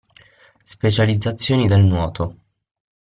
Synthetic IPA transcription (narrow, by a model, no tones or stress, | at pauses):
spet͡ʃalid̪zːat̪sːjoːnid̪elnwɔːt̪ʰo